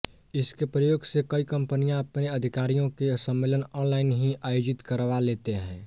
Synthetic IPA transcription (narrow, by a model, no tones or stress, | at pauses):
ɪskepɾəjoːɡsekəikə̃mpənijãəpneəd̪ʱɪkaːɾijõkesə̃mːeːlənɔːnlaːɪnɦĩʔaːjoːd͡ʒɪt̪kəɾʋaleːt̪eɦɛ̃ː